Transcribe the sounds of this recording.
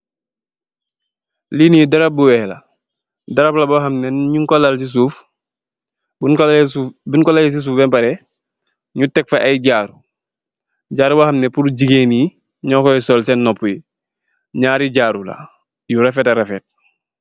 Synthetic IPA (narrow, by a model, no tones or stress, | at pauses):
liniidɐɾap̚buwɛhlɐ̰ | dɐɾaplabahɐmnɛnɲuŋkolalsis̬uːf | bkubinkɔlajis̬is̬uːfbɛmpaɾɛ | ɲutɛk̚faʔajɟaːɾu | ɟaːɾubahɐmnɛpuɾuɟiɡeːni | ɲɔkɔjisɔːlsɛnːɔpːuji | ɲaːɾiɟaːɾula̰ | juɾafɛtaɾafɛt̚